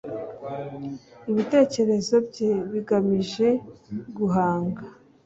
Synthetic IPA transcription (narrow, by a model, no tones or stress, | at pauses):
iβite̞ːce̞ɾe̞zo̞bɟe̞βiɡamiʒeɡuɦaːŋɡa